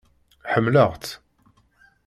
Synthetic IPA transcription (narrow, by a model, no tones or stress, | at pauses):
ħəmːləʁt͡s̪